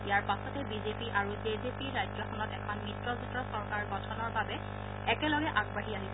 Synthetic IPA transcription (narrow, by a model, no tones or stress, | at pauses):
ijaɹpasɔtɛbizepiʔaɹuzezepiɹajd͡ʒɔxʰɔnɔtɛkʰɔnmitɹɔzutɹɔsɔɹkaɹɡɔtʰɔnɔɹbabɛ | ɛkɛlɔɡɛʔaɡbaɦiaɦis